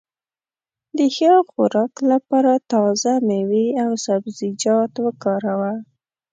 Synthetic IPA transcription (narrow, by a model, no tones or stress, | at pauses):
d̪əxəxʊ̰ɾɑklapɑɾat̪ɑzameweawsabzɪd͡ʒɑt̪wəkɑɾawa